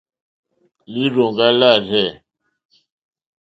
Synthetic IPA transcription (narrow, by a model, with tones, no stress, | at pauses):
li˦ɾo˨ŋɡa˦la˦˨rɛ˦˨